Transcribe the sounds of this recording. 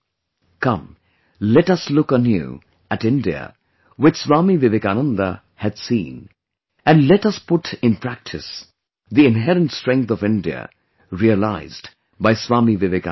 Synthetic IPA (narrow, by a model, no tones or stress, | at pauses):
kʌ̃m | lɛtʌslʊkənjṵ | ætɪ̃ndiə̰ | wɨt͡ʃswaːmivɪvekanə̃nd̪ə | hɨd̥sḭ̃ːn | ɨ̃nlɛtʌspʊʈɪ̃npʰɹæk̚tʰɨs | ðiɪ̃nɦɛɾə̃ntstɹ̥ɛ̃ŋk̚t̪ɔvɪ̃ndiə̰ | ɹiəla̰ɪzd | baɪswaːmivɪvek